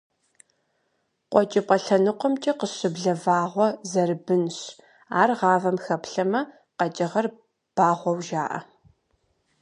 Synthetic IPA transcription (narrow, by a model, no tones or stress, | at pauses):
qʷʼɔt͡ʃʼɪpʼɐɬɐnɨqʷɔmt͡ʃʼiqəɕɪbɮɐvaːʁʷɔzɐrɨbɨnɕ | a̰ːrʁɑːvɐmxɐpɬɐmɐ | qɐt͡ʃʼɪʁɐr | b̥aːʁʷɔwʒaːʔɐ̰